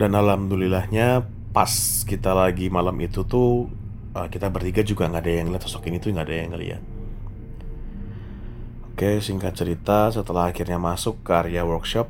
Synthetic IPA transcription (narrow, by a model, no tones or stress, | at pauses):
danalamdulilahɲa | pas | kit̪alaɡimalamʔit̪ut̪ʊ | əkit̪abərt̪iɡad͡ʒuɡaŋɡadajaŋəliat̪sɔsɔkinit̪uŋɡadajaŋəlḭa̰t̪̚ | okesiŋkat͡ʃəɾit̪as̬ət̪əlahakirɲamasʊkːəaɾiawərkʃɔp̚